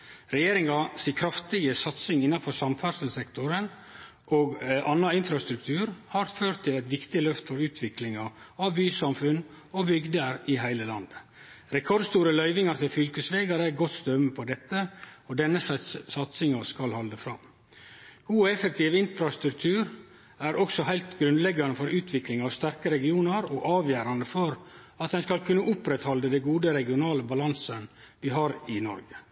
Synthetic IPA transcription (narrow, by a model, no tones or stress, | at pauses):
ɾɛjeːɾɪŋɑsiːkʰɾɑft̪ɪɡəsɑt̪sɪŋɪnːɑnfɔsɑmfæɾʂl̩sɛkt̪ʊɾən | ʔoːɡʔɑnːɑɪnfɾɑst̪ɾʉk̚t̪ʰʉːɾhɑɾføːɾʈt̪ʰːɪlæɪt̪ʋɪkt̪ɪlœft̪əfɔɾʉːt̪ʰʋɪklɪŋɑ | ɑʋbyːsɑmfʉn | obʏɡd̪əɾɪɦæɪləlɑ̰nd̪ | ɾɛkʰɔɾd̪st̪uːɾəlœʏʋɪŋɑɾt̪ʰɪlfʏlkəsʋeːɡɑɾəɡɔt̪st̪œmːəpʰɔd̪ɛt̪ːəɔd̪ɛnːəssɑt̪sɪŋɑskɑlhɑld̪əfɾɑ̰m | ɡ̥uːɛfək̚t̪ʰiːʋɪnfɾɑst̪ɾʉk̚t̪ʰʉːɾ | æɾɔksɔhæɪlt̪ɡɾʉnd̪lɛɡɑnəfɔɾʉːt̪ʰʋɪklɪŋɑʋst̪æɾkəɾɛɡɪuːnɑɾɔʔɑːʋjæːɾɑnd̪əfɔɾ | ɑt̪̚d̪ɛnskɑlkʰʉnːəʔʊpɾɛt̪hɑld̪əd̪ɛɡuːd̪əɾɛɡɪʊnɑːləbɑlɑnsən | ʋɪɦɑːɾɪnɔ̰ɾɡə